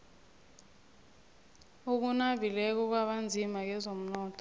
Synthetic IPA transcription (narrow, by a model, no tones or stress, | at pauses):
uk̬unavʱilɛk̬ɔk̬waɓand͡zʱimak̬ɛzom̩nɔːtʰɔ̥